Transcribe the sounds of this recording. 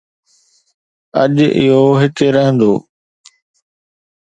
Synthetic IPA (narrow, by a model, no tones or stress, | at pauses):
ɐ̰ʄɪ̰ɦoɦɪkɾəɦə̃nd̪oː